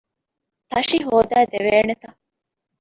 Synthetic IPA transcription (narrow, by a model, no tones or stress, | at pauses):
t̪ɐʃiɦoːd̪æːd̪eʋeːnet̪ɐ